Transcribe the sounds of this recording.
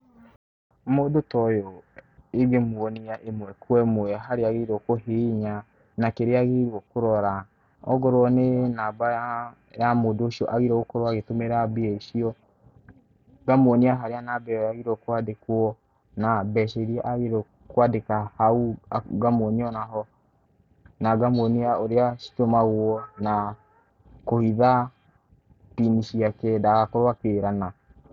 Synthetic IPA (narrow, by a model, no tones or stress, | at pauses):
moːdotɔjɔeɡemwɔniaʔemwɛkwɛmoɛɦaɾeaɣeɾɔkoɦeɲa | nakeɾeaɣeɾwɔkoɾɔɾa | ɔ̰ɣɔɾwɔnenaːba | jamodoːʃiɔʔaɣiɾɛɣokoɾoaɣetomeɾabeɛʃiɔ | ɡamoniaɦaɾeanabɛɔjaɣiɾɔkwadekwɔ | nabɛʃɛɾiɛʔaɣiɾɔ | kwadekahauɡamoniɔnaɦɔ | naɡamoniaoɾeaʃi̥tomaɣwɔna | kohiða | tiniʃiakɛdaɣakoɾwakeɾana